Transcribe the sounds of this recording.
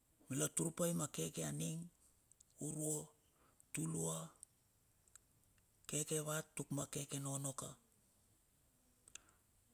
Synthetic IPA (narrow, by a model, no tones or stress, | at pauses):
milatuɾupajmake̞ke̞aniŋ | uɾuo | tulua | ke̞ke̞βatːukmake̞ke̞no̞no̞ka